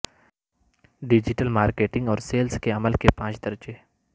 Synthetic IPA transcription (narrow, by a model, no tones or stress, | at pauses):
ɖɪd͡ʒɪʈəlmaːɾkeːʈɪ̃ŋɡɔːɾseːlskeɐməlkepãːt͡ʃd̪ɐɾd͡ʒe